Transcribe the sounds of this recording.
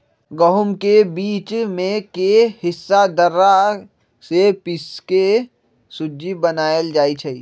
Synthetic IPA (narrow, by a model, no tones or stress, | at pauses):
ɡəɦʊmkebiːt͡ʃmẽkehɪsːad̪əɾa | sepɪske | sʊd͡ʒibənaːəld͡ʒaːit͡ʃʰɐi